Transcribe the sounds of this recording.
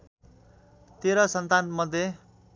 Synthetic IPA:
t̪eɾʌsʌnt̪anmʌd̪ʱje

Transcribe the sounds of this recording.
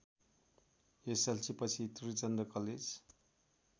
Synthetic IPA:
eselt͡sipʌt͡sʰit̪uɾit͡sʌnd̪rʌkʌled͡z

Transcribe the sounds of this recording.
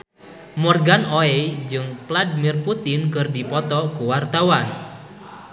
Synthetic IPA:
mɔrɡanoɛd͡ʒɨŋpladimirput̪ɪnkɨrdipɔt̪ɔkuwart̪awan

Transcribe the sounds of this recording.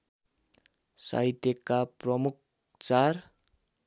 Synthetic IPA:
sa̰it̪ekaprʌmuk̚ | t͡sar

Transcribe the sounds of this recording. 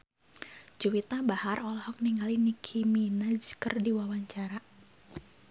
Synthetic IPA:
d͡ʒuwit̪abaharɔlɔhɔk̚niŋɡalinikʰiminad͡ʒkərdiwawaɲt͡ʃaɾa

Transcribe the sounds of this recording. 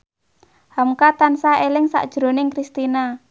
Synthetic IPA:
hamkat̪ansaelɪŋsa̰ʔd̥ʒ̥ɾo̤nɪŋkɾist̪ina

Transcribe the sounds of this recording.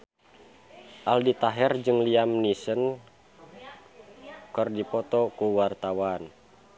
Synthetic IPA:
ʔaldit̪aɦɛrd͡ʒɨŋliamnisən | kərdipɔt̪ɔkuwart̪awan

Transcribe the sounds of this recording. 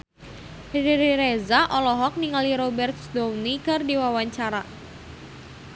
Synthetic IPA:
hediɾiɾezaʔɔlɔɦɔk̚niŋaliɾɔbɛrt̪̚sd̪ɔwnikɨrdiwawaɲt͡ʃaɾa

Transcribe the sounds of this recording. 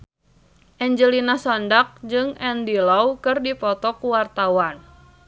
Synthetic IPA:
ʔɛɲd͡ʒəlinasɔndak̚d͡ʒɨŋɛndilawkɨrdipɔt̪ɔkuwart̪awan

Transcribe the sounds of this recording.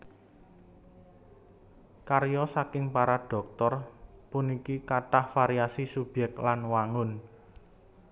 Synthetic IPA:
karjɔsakɪŋpaɾaɖ̥ɔ̤k̚t̪ɔrpunikikaʈahfaɾiasisub̥jɛk̚k̪lanwaŋʊn

